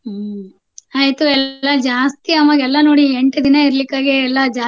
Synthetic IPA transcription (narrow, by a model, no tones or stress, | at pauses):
aːjt̪uɛllːɐd͡ʒaːst̪iɐmɐɡɛlːɐnoːɽieɳʈɐd̪inɐiɾɐlikːaːɡiɛlːɐd͡ʒaː